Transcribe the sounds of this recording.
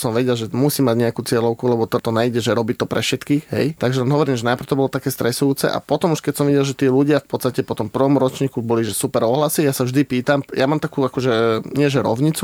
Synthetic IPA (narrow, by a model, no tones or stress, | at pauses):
sɔmʋɛɟɛlʒɛmusiːmaɟɲɛakuːt͡sɪɛlɔʊkulɛbɔt̪ɔt̪ɔnajɟɛʒɛɾɔbiːt̪ɔpɾɛfʃɛt̪kiːɦɛ̰jt̪aɡʒɛɔmɦɔʋɔɾiːmʒɛnajpr̩t̪ɔbɔlɔt̪akɛːst̪ɾɛsujuːt͡sɛ̰ʔa̰pɔt̪ɔmuʃkɛcsɔmʋiɟɛlʒɛt̪iɛluɟɪafpɔt̪st̪acɛpɔt̪ɔmpr̩ʋɔmɾɔt͡ʃɲiːkubɔliʒɛsupɛɾɔɦlasijasaʒd̪ipiːt̪amjamaːmt̪akuːakɔʒɛɲɪɛʒɛɾɔ̰ʊɲit͡su